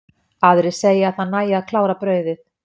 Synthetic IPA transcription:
aðɾɪseːjɪaðhaðnːaːjɪaðkʰlaːwɾapɾœːɥðɪθ

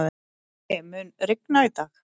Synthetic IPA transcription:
ðɪ | ɛmʏnɾɪknait̪aːx

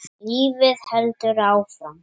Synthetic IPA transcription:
iːvɪðhɛlt̪ʏɾaːwfɾam

